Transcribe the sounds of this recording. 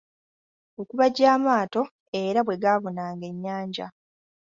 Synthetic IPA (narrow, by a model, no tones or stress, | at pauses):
o̞kuβaɟaːmaːto̞ | e̞ɾaβwe̞ɡaːβo̞naːŋɡe̞ɲːaːɲɟa̰